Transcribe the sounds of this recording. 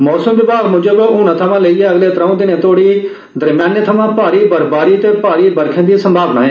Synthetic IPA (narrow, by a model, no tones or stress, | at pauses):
mɔːsəmʋɪbaːɡmʊd͡ʒəbʊːñãːt̪ʰəʋãːləiːɛːəɡleːt̪ɾə̃õːd̪ɪnẽːt̪ʰoːɽiː | d̪əɾmjaːnːt̪ʰəʋãːpaːɾiːbəɾbaːɾiːt̪eːpaːɾiːbəɾkʰẽːd̪iːsəmbʱaːbna̰ːẽː